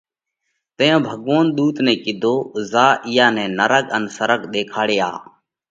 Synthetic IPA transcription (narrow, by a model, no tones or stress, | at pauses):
t̪əjãːbʱəɠʋoːnɗ̪uːt̪nɛ̃ːkɪd̪ʱoːzaːʔɪjaːnɛ̃ːnəɾəkənsəɾəkɗ̪eːkʰaːɽeːa̰ː